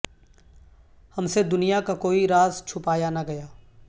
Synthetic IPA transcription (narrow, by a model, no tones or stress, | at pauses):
hɐmsed̪ʊnijakakoːiɾaːzt͡ʃʰʊpaːjanaɡɐjaː